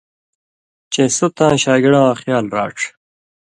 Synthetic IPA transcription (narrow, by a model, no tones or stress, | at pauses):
t͡ɕesut̪ãːɕaːɡiɽãːχjaːlɾa̰ːʈ͡ʂ